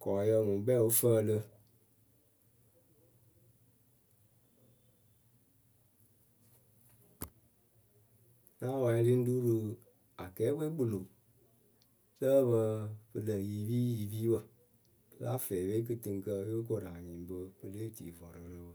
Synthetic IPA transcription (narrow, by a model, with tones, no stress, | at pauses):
kɔ˨jə˧˨ŋũ˨˦bɛ˦˨o˦fə˦˨lə˧˦ | la˦wa˨˧˦i˧li˦n̩˦du˦ɾɨ˧ | a˨kɛː˨˦we˦k͡po˨lo˨ | sə˦bə˧bɨ˧lə˨ji˨viː˦ji˨viː˦bə˨ | ə˦la̰˦fɛ˨we˦k̬ɨ˧tɨ˧ŋ˦kə˧e˦k̬o˨ɾa˨ɲĩ˨m˨bə˧bə˧le˦tḭ˨vɔ˨ɾɨ˨lə˦bə˨